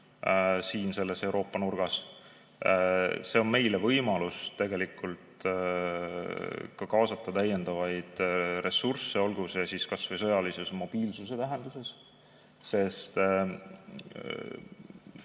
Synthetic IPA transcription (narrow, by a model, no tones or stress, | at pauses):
siːnse̞lːe̞se̞wɾʔo̞ːpːˑɑnurɡ̥ɑs | se̞o̞nme̞jle̞vɤjmɑlust̪e̞ɡ̥e̞likːˑult̪ | kɑkɑːsɑt̪ːˑɑt̪æjːe̞nd̪̥ɑvɑjd̪̥re̞surse̞o̞lɡ̥usjɑsiskɑsvejs̬ɤ̞jɑlisesmo̞b̥iːlsuse̞t̪æɦend̪use̞s | se̞st̪